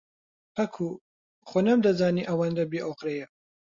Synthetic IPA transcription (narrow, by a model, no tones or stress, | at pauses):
pʰɐkʰu | χonɐmd̪ɐzaːniʔɐwand̪ɐbeʔoqɾejɛ